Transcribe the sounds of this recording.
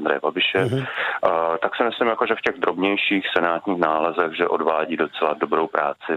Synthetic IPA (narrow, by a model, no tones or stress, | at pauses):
nd̪ɾɛ̰jɛbabɪʃɛ | t̪aksɪmɪslɪmjakoʒɛfcɛɣd̪ɾo̞bɲɛjʃiːxsɛnaːt̪ɲiːxnaːlɛzɛɣʒɛʔo̞dvaːɟiːdo̞t͡sɛlado̞bɾowpɾaːt͡sɪ